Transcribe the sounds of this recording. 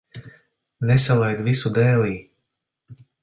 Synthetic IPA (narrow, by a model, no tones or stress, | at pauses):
nesalˠajd̪visud̪ɛːliː